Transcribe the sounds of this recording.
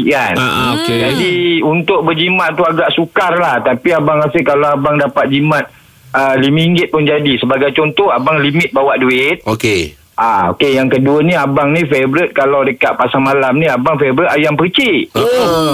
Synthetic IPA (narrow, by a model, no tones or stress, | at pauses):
ʔanoked͡ʒadiunt̪ʊʔ̚bərd͡ʒimãʔ̪t̪uaɡaʔsukarlaht̪apiabaŋɾasəkalawabaŋdapat̪̚d͡ʒimãt̪̚ | əlimiiŋɡɪt̪̚pund͡ʒadisəbaɡajt͡ʃɔnt̪ɔhabaŋlimɪt̪̚bawaʔduɪt̪̚oke | ʔao̰kejaŋkəduəniabaŋnifebɾət̪̚kalawdəkat̪̚pasaŋmalamniabaŋfebɾət̪ajaŋpət͡ʃi